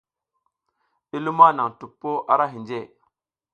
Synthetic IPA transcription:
i˦lu˦ma˦na˨ŋtu˨pːo˦ʔa˦ɾa˦ɦi˨nd͡ʒe˦˨

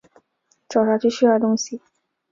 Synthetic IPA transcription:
ʈ͡ʂɑ˨˩ʊʂa˥t͡ɕʰy˥˧ɕy˥˧˥a˥˩t̪ʊ˥ŋɕi˨˩

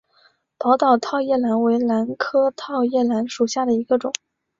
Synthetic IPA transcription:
pɑ˧˥ʊt̪ɑ˨˩ʊt̪ʰɑ˥˧ʊjɛ˥˩la˧˥nwe˧˥ɪla˧˥nkʰɤ˥t̪ʰɑ˥˧ʊjɛ˥˩la˧˥nʂu˨˩ɕja˥˩d̪ə˩i˧˥ɡə˧ʈ͡ʂʊ˨˩˦ŋ

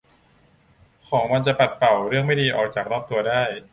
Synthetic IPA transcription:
kʰɔː˩˦ŋma˧nt͡ɕa˨˩pa˨˩t̪̚pa˨˩wɾɯ˥˩əŋma˥˩jdiː˧ʔɔ̰ː˨˩k̚t͡ɕaː˨˩k̚nɔː˥˩p̚t̪u˧ɐdaː˥˩j

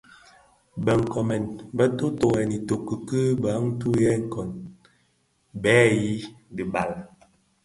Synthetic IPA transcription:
bə˨ŋ̩˨kɔ˨mɛ˨nbə˦to˦to˨ɣɛ˨ni˨to˨kːə˨kə˦ba˨˦ŋ̩˦tu˦jɛ˦ŋ̩˦˨kɔ˨n | bɛː˦ji˦di˨ba˨l

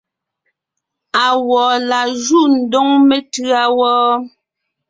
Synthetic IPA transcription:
a˨wɔː˨la˨ʒu˦˨n̩˨dɔ˦ŋme˦tʉ˦a˦wɔː˦

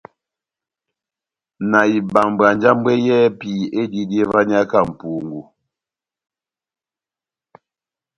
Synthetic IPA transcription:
na˨i˨ba˨ŋ˨ba˨n˦d͡ʒa˦m˦bwe˦jɛ˦pi˨e˦di˦di˦e˦va˦ni˦a˦ka˦˨m̩˨pu˨ŋɡu˨

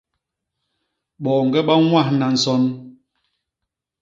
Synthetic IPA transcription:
ɓɔ˨ŋ̩˨ɡɛ˦ɓa˦ŋwa˦˨hna˨n̩˨sɔ˦n

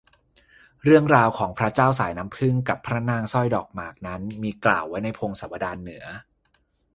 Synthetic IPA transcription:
ɾɯ˥˩əŋɾaː˧wkʰɔː˩˦ŋpʰɾa˦˥t͡ɕaː˥˩ws̬aː˩˦jna˦˥mpʰɯ˥˩ŋka˨˩pʰːɾa˦˥naː˧ŋsɔ˥˩jdɔː˨˩k̚maː˨˩k̚na˦˥nmiː˧kla̰ː˨˩wːa˦˥jna˧jpʰoː˧ŋsaː˩˦wa˧daː˧nːɯ˩˦ɐ

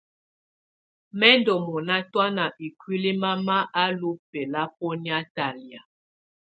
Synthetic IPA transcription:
mɛ˦ndɔ˨mɔ˨na˦twa˦na˨ʔi˨kwi˦li˦ma˦ma˦ʔa˦lu˦pɛ˨la˦p̚ɔ˦ni˦a˦ta˨lja˨

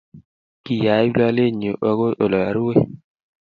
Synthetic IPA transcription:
ki˨ja˨˦i˦blɔ˦le˦˨ɲo˨ʔɔ˦ɣo˦ʔo˨lɔ˨ja˨ɾi˦we˦

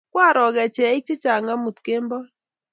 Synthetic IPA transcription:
kwa˦˨ɾɔ˨ɣɛ˨t͡ʃɛ˨ɪ˦k̚t͡ʃɪ˦t͡ʃa˨ŋa˦mu˨t̪ke˦mbɔ˦

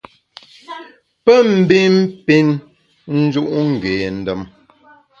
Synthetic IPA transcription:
pə˦m̩˦˨˦bi˦m̩˦pi˦n | n̩˦d͡ʒu˦ʔŋ̩˨ɡe˨n̩˦də˦˨m

